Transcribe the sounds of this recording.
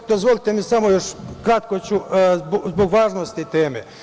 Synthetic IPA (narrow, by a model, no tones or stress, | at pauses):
d̪ozʋolit̪emisamojoʃkɾat̪̚kot͡ɕubzboɡʋaːʒnost̪it̪eːmḛ